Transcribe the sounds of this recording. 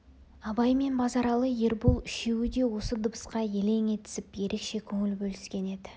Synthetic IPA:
ɑbɑjme̞nbɑzɑɾɑlˠəje̞ɾbulˠɪʃewɪd̪e̞wo̞səd̪ʊbəsqɑjele̞ŋe̞t̪ɪ̥sɪpje̞ɾʔe̞kʃe̞kʲʰɵŋɪlbɵlɪskʲe̞ne̞d̪ɪ

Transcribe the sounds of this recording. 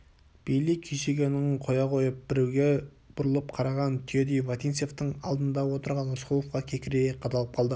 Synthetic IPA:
b̥ejlekʲʰeʃe̞ɡʲenoŋəɴqʰo̞jɑqʰo̞jəp̚bɪɾuɡʲe | b̥ʊɾəlˠəp̚qʰɑɾɑʁɑnt̪ʰijod̪ijvat̪ijnse̞ft̪əɴɑ̰lˠd̪ənd̪ɑwo̞t̪əɾʁɑnʊsqulˠofqɑkʲʰe̞kʲɪɾejeqʰɑt̪ɑlˠəp̚qʰɑlˠd̪ə

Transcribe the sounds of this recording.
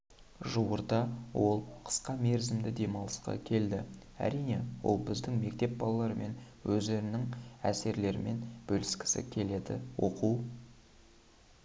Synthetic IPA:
ʒuwəɾd̪ɑwo̞lˠqʰə̥sqɑme̞ɾzɪmd̪ɪd̪e̞mɑwlˠəsqɑ̰kʲʰe̞ld̪ɪ | æ̰ɾijne̞wo̞̰lˠbɪzd̪ɪŋme̞kt̪e̞p̚bɑlˠɑlˠɑɾəme̞n | wɵzd̪e̞ɾɪnɪŋæse̞ɾle̞ɾɪme̞nb̥ɵlɪskʲɪ̥sɪ̰kʲʰe̞le̞d̪ɪ̰wo̞̰quw

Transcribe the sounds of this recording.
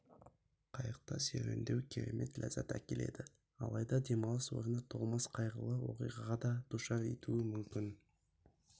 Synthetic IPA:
qʰɑjəq̚t̪ɑsḛɾḛnd̪e̞wkʲʰeɾe̞̰me̞t̪lʲæ̰zɑt̪ækʲe̞le̞̰d̪ɪ | ɑ̰lˠɑjd̪ɑd̪e̞mɑlˠəswo̰ɾənət̪ʰoʁˠməsqʰɑjʁəlˠəwo̞̰qijʁɑʁɑd̪ɑd̪̥uʃɑɾet̪uɪmʏmkʲɪn

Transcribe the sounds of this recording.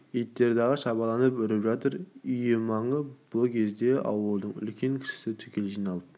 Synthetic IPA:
it̪ːe̞ɾd̪ɑʁəʃɑbɑlˠɑnəpʏɾɪpʒɑt̪əɾijɪmɑɴəb̥ʊkʲʰe̞zd̪e̞ʔɑ̰wəlˠd̪əɴʏ̰lkʲʰe̞ŋkʲʰɪ̥ʃɪ̥sɪt̪ʰʏ̥kʲe̞lʒijnɑlˠəp

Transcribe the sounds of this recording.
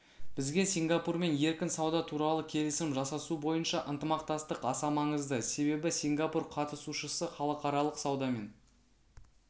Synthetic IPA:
b̥ɪzɡʲe̞sʲiŋɡapuɾme̞nje̞ɾkʲɪnsɑwd̪ɑt̪ʰuɾɑlˠəkʲʰe̞lɪsɪmʒɑsɑsubo̞jənʃɑʔənt̪əmɑqt̪ɑst̪əqɑsɑmɑɴəzd̪əse̞βe̞bɪsiŋɡapurqʰɑt̪əsuʃəsəχɑlˠəqɑɾɑlˠəqsɑwd̪ɑme̞n

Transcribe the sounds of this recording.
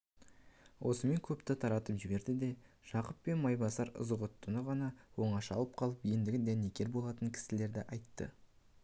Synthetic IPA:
wʔo̞səme̞ŋkʲʰɵpt̪ɪt̪ʰɑɾɑt̪əpʒɪbe̞ɾd̪ɪd̪e̞ | ʒ̥ɑqəpːe̞nmɑjbɑsɑɾʊ̰zəʁʊt̪ʰːʊnəʁɑnɑwo̞ɴɑʃɑ̰lˠəp̚qʰɑlˠəpijend̪ɪɡʲɪd̪æne̞kʲʰe̞ɾbo̞lˠɑt̪əŋkʲʰɪ̥sɪle̞ɾd̪ɪʔɑjt̪ːə̰

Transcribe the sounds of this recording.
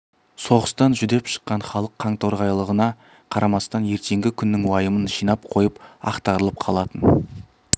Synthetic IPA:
so̞ʁəst̪ɑnʒʏd̪e̞pʃə̥qːɑɴχɑlˠəqʰːɑɴt̪ʰoɾʁɑjlˠəʁənɑ | qʰɑɾɑmɑst̪ɑnje̞ɾt̪e̞ŋɡʲɪkʲʰʏnːɪŋwɑjəmənʒijnɑp̚qʰo̞jəpɑ̰qt̪ɑɾəlˠəp̚qʰɑlˠɑt̪ən

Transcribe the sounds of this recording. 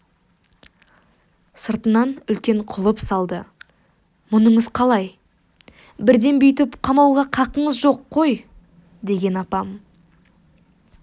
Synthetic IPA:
səɾt̪ənɑnʏlkʲe̞ɴqʰʊlˠəpsɑlˠd̪ə̰ | mʊnəɴəzqʰɑlˠɑj | bɪɾd̪e̞nbʏjt̪ɪpqʰɑmɑwʁɑqʰɑqəɴəzʒo̞qʰːo̞j | d̪e̞ɡʲe̞nɑpɑm

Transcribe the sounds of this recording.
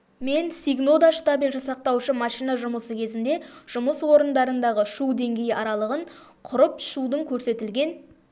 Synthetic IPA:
me̞nsiɡno̞d̪aʃt̪abilʲʒəsɑq̚t̪ɑwʃəmɑʃijnɑʒʊməsəkʲʰe̞zɪnd̪e̞ʒ̥ʊməswo̞ɾənd̪ɑɾənd̪ɑʁəʃud̪e̞ŋɡʲe̞jɑɾɑlˠəʁəɴ | qʰʊɾəpʃud̪əŋkʲʰɵɾse̞t̪ɪlɡʲe̞n

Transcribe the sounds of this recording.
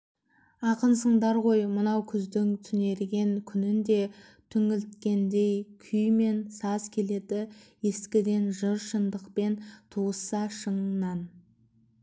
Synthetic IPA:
ɑqənsəɴd̪ɑɾʁo̞jmənɑwkʲʰʏzd̪ɪŋt̪ʰʏne̞ɾɡʲe̞ŋkʲʰʏnɪnd̪e̞ | t̪ʰʏŋɪlt̪kʲe̞nd̪e̞jkʲʰʏjme̞nsɑzkʲʰe̞le̞d̪ɪje̞skʲɪd̪e̞nʒəɾʃənd̪əqpe̞nt̪ʰuəsɑʃəɴnɑn

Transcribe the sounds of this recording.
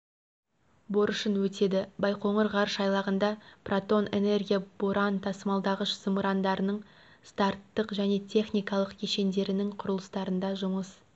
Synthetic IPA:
bo̞ɾʊʃənwɵt̪e̞d̪ɪbɑjqo̞ɴəɾʁɑɾəʃɑjlˠɑʁənd̪ɑprʔat̪o̞ne̞̰ne̞rɡʲijaboɾɑnt̪ʰɑsəmɑlˠd̪ɑʁəʃəmuɾand̪ɑɾənəɴ | st̪ɑrt̪ːəqʒæne̞t̪ʲʰe̞χnijkɑlˠəqkʲʰeʃe̞nd̪e̞ɾɪnɪŋqʰʊɾəlˠə̥st̪ɑɾənd̪ɑʒʊməs

